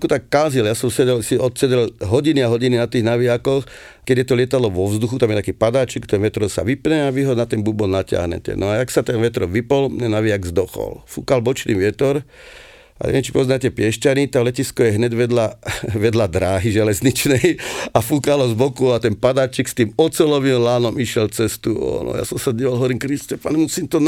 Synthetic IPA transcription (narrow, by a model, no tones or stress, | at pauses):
kut̪akːalziljasɔmsɛɛlsiɔt̪sɛɟɛlɦɔɟiniaɦɔɟininat̪iːɣnaʋiakɔx | kɛɟjɛt̪ɔlɪɛt̪ad̪lɔʋɔvzd̪uxut̪amjɛt̪akiːpad̪aːt͡ʃikt̪ɛnʋɛt̪ɾɔsa̰ʋipɲɛaʋiɦɔnat̪ɛnbubɔlnacɪa̰ɦɲɛ̰cɛ̰nɔaaksat̪ɛnʋɛt̪ɾɔmʋipɔlnɛnaʋiaɡzd̪ɔxɔ̰lfṵːkalbɔt͡ʃniːʋɪɛt̪ɔɾ | a̰ɲɛ̰ɛnt͡ʃi̥pɔznatɛpɪɛʃcanit̪alɛciskɔjɛɦɲɛɟʋɛd̪laʋɛd̪lad̪ɾaːɦiʒɛlɛzɲit͡ʃnɛjafukalɔzbɔkuat̪ɛnpad̪aːt͡ʃikst̪iːmɔt͡sɛlɔʋimlaːnɔmiʃjɛlt͡sɛst̪uɔ̰nɔ̰ja̰sɔmsadiːʋalɦɔʋɔɾiːmkɾistɛpaɲɛmusiːmt̪ɔn